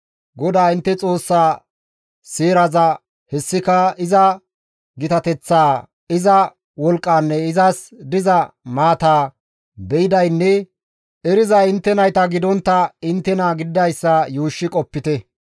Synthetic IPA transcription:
ɡɔd̪aːɪnt̪ːɛt͡sʼo̞ːsːaː | siːɾɐzɐ | hɛsːɪkɐɪzɐ | ɡɪt̪ɐt̪ɛt͡sːaː | ɪzɐ | wɔlkʼːaːnːɛɪzɐsd̪ɪzɐmaːt̪aː | bɛɪd̪ɐjnːɛ | ɛɾɪzɐɪnt̪ːɛnɐjt̪ɐɡɪd̪ɔnt̪ːɐɪnt̪ːɛnaːɡɪd̪d̪ɐjsːɐjuːʃːɪkʼɔpːɪt̪ɛ

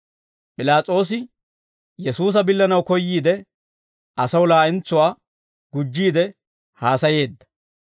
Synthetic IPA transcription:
pʼɪlaːt͡sʼo̞ːs̬ɪ | jɛsuːs̬ɐbɪlːɐnɐwkɔjːiːd̪ɛ | ʔɐsɐwlaːʔɪnt͡sːʊwaː | ɡ̥ʊd͡ʒːiːd̪ɛ | haːsɐje̞ːd̪ːɐ̥

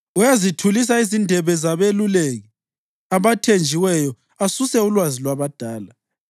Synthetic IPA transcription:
ujazitʰulis̬aizindʱɛβɛzaβeluleɣɛ | aβatʰend͡ʒʱiwɛjɔ | asusɛulwazilwaβad̥ʱaːla

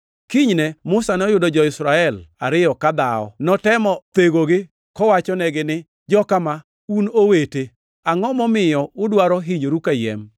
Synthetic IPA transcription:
kiɲnɛmʊsanɔjʊdɔd͡ʒɔɪsɾaɛlaɾɪjɔkad̪aɔ̰nɔtɛmɔt̪eɡoɡɪ | kɔwat͡ʃɔnɛɡɪnɪ | d͡ʒɔkama | unowete | aŋɔmɔmɪjɔʊdwaɾɔɦiɲoɾukajɛ̰m

